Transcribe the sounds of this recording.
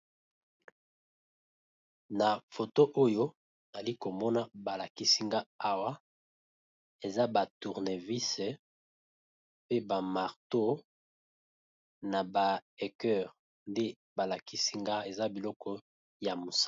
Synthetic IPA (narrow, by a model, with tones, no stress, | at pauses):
na˨fo˨to˦ʔo˦jo˦˨ | za˨li˦ko˨mɔ˦na˦ba˨la˨ki˦si˦ŋɡa˦a˦wa˦ | e˨za˦ba˨tu˨ʁne˨vi˦se˨ | pe˦ba˨ma˨ʁto˦ | na˨ba˨ɛ˨kɛ˦˨ʁ | nde˦ | ba˨la˨ki˦si˦ŋɡa˦e˨za˦bi˨lɔ˦kɔ˦ | ja˨mo˨s